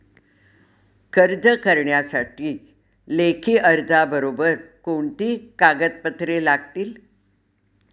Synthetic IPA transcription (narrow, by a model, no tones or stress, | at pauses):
kəɾd͡zəkəɾɳjasaʈiː | lekʰiːʔəɾd͡zabəɾobəɾkoɳt̪iːkaɡət̪̚pət̪ɾelaɡ̚t̪iːl